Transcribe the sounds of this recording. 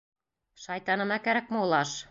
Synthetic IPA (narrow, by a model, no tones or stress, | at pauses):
ʃɑjt̪ɑnɤ̆mækæɾæk̚mɤolˠɑʃ